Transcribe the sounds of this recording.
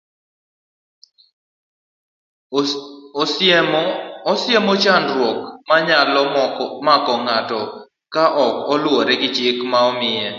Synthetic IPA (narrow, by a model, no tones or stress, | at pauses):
ɔsɪemɔt͡ʃanɾwɔkmaɲalɔmakɔŋatɔ | kaʔɔkɔlwɔɾɛɡɪt͡ʃɪkmaɔmɪjɛ